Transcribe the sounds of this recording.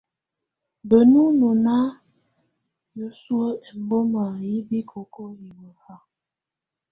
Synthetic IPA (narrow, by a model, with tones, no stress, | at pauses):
bə˨nu˦no˨na˦ | jo˨su˦ə˦ɛ˨m˦bo˦ma˨ji˦bi˦kʰo˨ko˦ji˨wə˨ha˦